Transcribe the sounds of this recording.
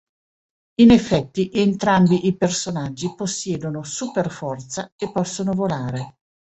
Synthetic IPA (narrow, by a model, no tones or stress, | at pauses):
inefːɛt̪ːiʔent̪ɾambiʔipersonad͡ʒːiposːjɛːd̪onosuperfɔrt̪saepːɔsːonovolaːɾe